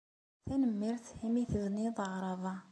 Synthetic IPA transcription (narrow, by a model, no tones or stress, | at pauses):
θænəmːiɾt̪himiθəðniðˤɑɾˤɑðˤɑ